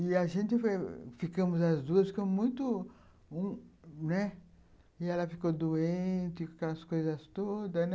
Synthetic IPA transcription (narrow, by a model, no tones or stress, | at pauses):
ɪɐʒẽnt̪ɪfojfikɐ̃mʊzɐzd̪uɐsfikɐ̃m̃mũj̃t̪ʊ | ũnɛ | ɪɛlɐfikod̪uẽt͡ʃ̪ɪakɛlɐskojzɐst̪od̪ɐsnɛ